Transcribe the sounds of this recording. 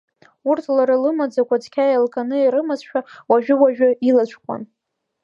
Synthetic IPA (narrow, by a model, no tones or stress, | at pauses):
urtʰlaɾɨlɨmad͡zakʷʰʼat͡sʰkʲʰajalkʼanɨiɾɨmazʃᶣawaʒᶣʊwaʒᶣʊilat͡ʃʷʰkʷʼa̰n